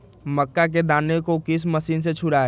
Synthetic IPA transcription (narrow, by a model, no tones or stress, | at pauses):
məkːak̬ed̪aːnekokɪs̬məsiːnset͡ʃʰʊɽaɛ